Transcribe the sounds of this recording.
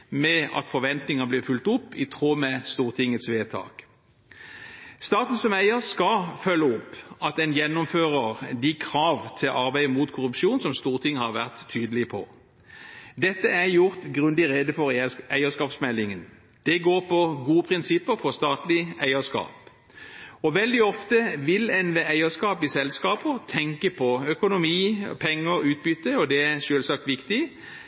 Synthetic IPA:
mɛɑ̰t̪fɔɾʋɛnt̪nɪŋɑblɪːʁfʉlt̪ʊpːɪt̪ʰʁoːmɛst̪uːʁt̪ʰɪŋːət̪sʋeːt̪ʰɑ̰ːk | st̪ɑːt̪n̩sɔmæɪəʁskɑfœlːəʊpːɑt̪ɛnjɛnːʊmføːʁəʁd̪ɪkʰʁɑːʋt̪ʰɪlʔɑʁbæɪəmuːt̪kʰʊɾʉpʃuːnsɔmst̪uːʁt̪ʰɪŋːhɑʁʋæʁt̪ʰːyːd̪əlɪpʰɔ | d̪ɛt̪ːəæɾjʊʁt̪ɡʁʉnd̪ɪʁɛd̪əfɔʁæɪəskɑːpsmɛlːɪŋən | d̪̥ɛɡoːʁpʰɔɡuːəpʰʁɪnsɪpːəʁfɔʁst̪ɑːt̪lɪæɪəskɑ̰ːp | ɔʋɛld̪ɪɔft̪əʋɪlɛnʋɛæɪəskɑːpɪsɛlskɑːpəʁt̪ʰɛŋkəpʰɔœkʊnʊmiːpʰɛŋːəʁʉːt̪̚bʏt̪ːəɔd̪ɛæʃøːlsɑk̚t̪ʋɪkt̪ɪ

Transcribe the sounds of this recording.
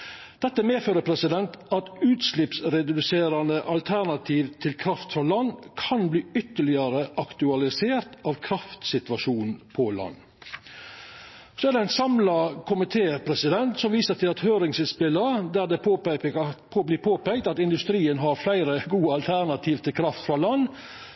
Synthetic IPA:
d̪̥ɛt̪ːəmeːføːɾəpʰɾɛsɪd̪ɛnt̪ɑt̪ʉːt̪slɪpsɾɛd̪ʉseːɾɑnd̪əʔɑlt̪ʰæɾnɑt̪ʰiːʋt̪ʰɪlkʰɾɑft̪fɾɑlɑnkʰɑnbliːʏt̪ːəɭɪəɾəʔɑkt̪ʉɑlɪseːɾt̪ɑːʋkʰɾɑft̪sɪt̪ʋɑʂuːnn̩pʰɔlɑ̰nː | sɔæɾɖ̪ɛæɪnsɑmlɑkʰʊmɪt̪ʰeːpʰɾɛsɪd̪ɛnt̪sɔmʋiːsət̪ɪlɑt̪høːɾɪŋsɪspɪlːəd̪æd̪ɛ | blɪːpʰoːpɛɪk̚t̪ɑt̪ɪnd̪ʉst̪ɾiːənɦɑɾflæɪɾəɡuːəɑlt̪ʰæɾnɑt̪ʰiːʋt̪ʰɪlkʰɾɑft̪fɾɑlɑnː

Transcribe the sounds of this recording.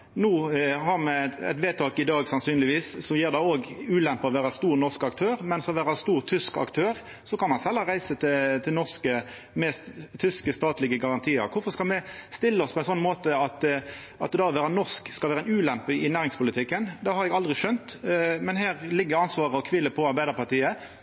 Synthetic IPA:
nuːhɑʁmɛɛ̰t̪ʋeːt̪ʰɑːkɪd̪ɑːɡsɑnsyːnlɪʋiːssɔjiːʁd̪ɛoːɡʉːlɛmpəɔʋæːʁɑst̪uːʁnɔʁskɑkt̪ʰøːʁmɛnsɔʋæːʁɑst̪uːʁt̪ʰʏskɑ̰kt̪ʰøːʁ | sɔkɑnmɑnsɛlːəʁæɪsət̪ʰɪt̪ʰɪlnɔʁskə | mɛːst̪t̪ʰːʏskəst̪ɑːt̪lɪɡəɡɑʁɑnt̪ʰiːəɾkʰʊfɔʁskɑlmɛst̪ɪlːəɔspʰɔɛɪnsɔnːmoːt̪əɑt̪ | ʔɑt̪ːd̪ɑːʋæːʁɾɑnɔʁskskɑlʋæːɾəɛnʉːlɛmpəɪnæːʁɪŋspʰʊlɪt̪ʰɪkːənd̪ɑhɑɾɛɡɑld̪ʁɪʃœnt̪mɛnɦæːʁlɪɡːəɑnsʋɑːʁəɔkʰʋɪlːəpʰɔɑɾbæɪd̪əɾpɑt̪iːə

